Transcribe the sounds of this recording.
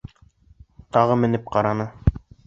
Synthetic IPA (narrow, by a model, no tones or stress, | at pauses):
t̪ɑʁɤmɘ̆nɘp̚qɑɾɑnɤ